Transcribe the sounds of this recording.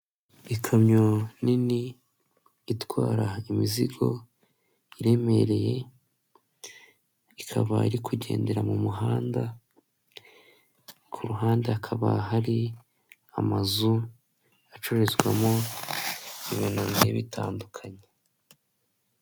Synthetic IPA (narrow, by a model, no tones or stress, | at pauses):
ikʰamɲoniniː | twaːɾaimiziɡo̞̰ | iɾe̞me̞ɾe̞je̞ | ikʰa̰βa̰iɾikuɟe̞̰ːnde̞ɾamumuɦaːnda | kʰuɾuɦaːndeakʰaβa̰ɦaɾi | a̰mazu | at͡ʃo̞ɾe̞zɡwa̰mo | iβinonzeβitʰaːndukʰaɲe